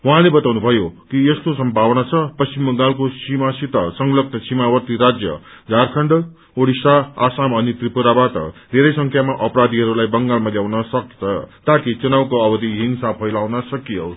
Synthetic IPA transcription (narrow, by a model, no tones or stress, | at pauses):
wʌɦãlebʌt̪awnubʱʌjokiest̪osʌmbʱawʌnat͡sʰʌpʌst͡simʌŋɡalkosimasit̪ʌsʌŋlʌknʌsimawʌrt̪iɾad͡zjʌ̰d͡zʱarkʰʌɳɖ | oɽisaasamʌnit̪ripuɾabaʈʌ̰d̪ʱeɾʌjsʌŋkʰjamaʔʌpɾad̪ʱiɦʌɾulajbʌŋɡalmaljawnʌsʌkt͡sʰʌt̪akit͡sunawkoʌbʌd̪iɦiŋsapʰʌjlawnʌsʌkijo